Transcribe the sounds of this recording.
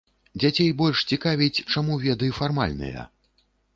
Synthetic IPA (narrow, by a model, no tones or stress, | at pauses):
d͡zʲat͡sʲejbɔlʲʂt͡sʲikavʲit͡sʲt͡ʂamuvʲɛd̪ɨjifarma̰lʲnɨ̰jɐ̰